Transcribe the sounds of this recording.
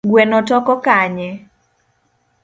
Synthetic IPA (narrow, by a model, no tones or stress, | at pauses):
ɡwɛnɔtɔkɔkaɲɛ